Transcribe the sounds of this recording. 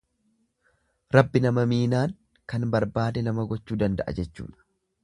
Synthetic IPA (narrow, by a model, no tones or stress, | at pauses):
ɾɐbːɪnɐmɐmiːnaːŋ | kɐnbɐɾbaːd̪ɛnɐmɐɡɔt͡ʃːuːd̪ɐnd̪ɐ̰ʔɐ̰d͡ʒɛt͡ʃːṵːᶑɐ̥